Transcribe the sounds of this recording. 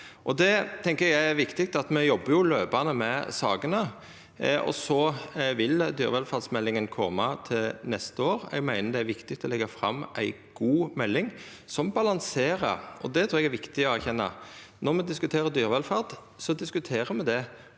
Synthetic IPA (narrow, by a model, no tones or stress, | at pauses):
ʔɔd̪ɛt̪ʰɛŋkəɾjæɪæɾʋɪkt̪ɪkt̪ɑt̪mɛjɔbːəɾjʊløːpɑnəmɛsɑːɡənə | ɔ̰sɔʋɪld̪yːɾʋɛlfɑɾd̪smɛlːɪŋənkʰɔmːɑt̪ʰɪlnɛst̪əoːɾɛ̰ɡmæɪnəd̪ɛæɾʋɪkt̪ɪk̚t̪ʰɔlɛɡːɑfɾɑ̰mːʔæɪɡ̥uːmɛlːɪŋ | sɔmbɑlɑnseːɾə̰ɔd̪ɛt̪ʰɾuːɛɡæɾʋɪkt̪ɪɔæɾçɛnːɑ̰nɔʁmɛd̪ɪskʉt̪ʰeːɾəd̪yːɾʋɛlfɑʁd̪ | sɔd̪ɪskʉt̪ʰeːɾəmɛd̪ɛ